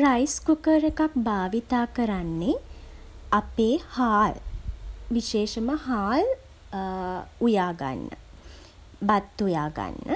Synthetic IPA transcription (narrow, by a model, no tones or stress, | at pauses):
rajskukəɾəkak̚baːʋit̪aːkəɾanːe | apeːhaːl | ʋiʃeːʃəməhaːl | ujaːɡa̰nːə̰ | bat̪ːujaːɡa̰nːə